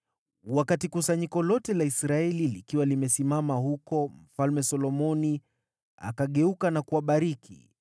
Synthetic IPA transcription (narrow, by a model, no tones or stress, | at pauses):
wakatikusaɲikɔlɔtɛlaisɾaɛlilikiwalimɛsimamahukɔm̩falmɛsɔlɔmɔni | a̰kaɠɛukanakuaɓaɾikḭ